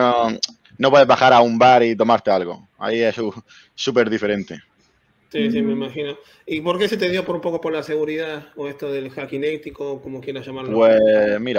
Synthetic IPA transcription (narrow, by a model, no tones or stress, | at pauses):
o | nop̬we̞ðeβaxaɾaumbaɾit̪o̞maɾt̪e̞alɣo̰ | a̰iesu | sup̬e̞ɾðife̞ɾẽ̞nt̪e | sis̬imeimaxino | ipo̞ɾke̞set̪eðjo̞poɾpo̞kopoɾlase̞ɣ̞uɾiðaoest̪oðelxakinewt̪ikokomokje̞ɾaʝamaɾwemiɾa